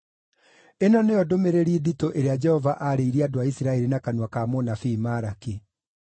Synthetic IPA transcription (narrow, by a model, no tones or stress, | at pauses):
enɔneɔdomeɾeɾieditoʔeɾead͡ʒɛhɔvaʔaɾeiɾiadoaisiɾaɛɾinakanwakamonafiːmaɾaki